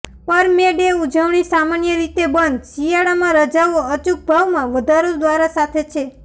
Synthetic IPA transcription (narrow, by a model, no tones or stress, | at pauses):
pəɾmeɖeud͡ʒəʋɳisamanjəɾit̪ebənd̪ʃijaɽamãɾəd͡ʒaʋoət͡ʃuk̚bʱaʋmãʋəd̪ʱaɾod̪ʋaɾasat̪ʰet͡ʃʰe